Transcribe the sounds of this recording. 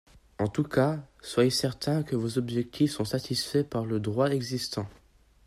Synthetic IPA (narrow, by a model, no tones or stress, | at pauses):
ɑ̃t̪ukaswajesɛʁt̪ɛ̃kəvozɔbʒɛk̚t̪ʰifsɔ̃sat̪ʰisfɛpaʁləd̪ʁwaɛɡzist̪ɑ̃